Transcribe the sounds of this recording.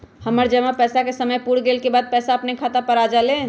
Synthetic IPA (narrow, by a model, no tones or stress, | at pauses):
həməɾd͡ʒəmapɛsakesəməjpuɽɡelkebad̪̚pɛsaəpnekʰat̪apəɾad͡ʒale